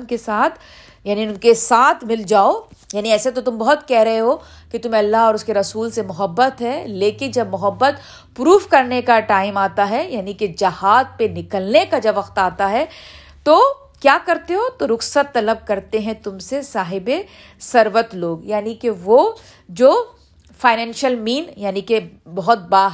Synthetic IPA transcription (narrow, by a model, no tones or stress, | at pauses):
nkesaːt̪ʰ | jaːniʊnkesaːt̪ʰmɪld͡ʒaːojaːniɛːset̪ot̪ʊmbɐɦʊt̪kɛɦɾɐɦeɦoː | kit̪ʊmɐlːaɦɔːɾʊskeɾɐsuːlsemʊɦəbːət̪ɦɛleːkɪnd͡ʒɐbmʊɦəbːət̪ | pɾuːfkɐɾnekaʈaːɪmaːt̪aɦɛjaːniked͡ʒɐhaːd̪̚penɪkəlnekad͡ʒɐbʋɐqt̪aːt̪aɦɛ | t̪oː | kjaːkɐɾt̪eɦoːt̪oɾʊxsət̪ːɐləb̚kɐɾt̪eɦɛ̃t̪ʊmsesaːɦɪbe | sɐɾʋət̪loːɡjaːnikeʋo | d͡ʒoː | faːɪnɛ̃ːnʃəlmiːnjaːnikebɐɦʊt̪̚baːɦ